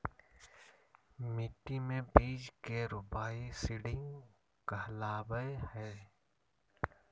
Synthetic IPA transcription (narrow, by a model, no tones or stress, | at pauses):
mɪʈːimẽbiːd͡ʒkeɾʊpaːisɪɖɪ̃ŋɡ | kəlaːbəjhɛː